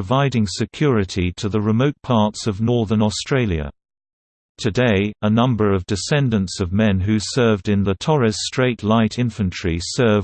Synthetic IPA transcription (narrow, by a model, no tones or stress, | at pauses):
əvaɪɾɪ̃ŋsɨkʰj̥ʊɹɨɾiɾʰɨðəɹɨmoʊt̚pʰɑɹtsʌvnɔɹðə˞nɔstɹ̥eɪlˠjɨ̰ | tʰɨdeɪənʌ̃mbə˞ʌvdɨsɛ̃ndɨ̃ntsʌvmɛ̃nɦʉsɜ˞vdɨ̃nðətʰɔɹɨstɹ̥eɪtʰˡlaɪɾɪ̃ɱfɨ̃nt͡ʃʰɹ̥isɜ˞v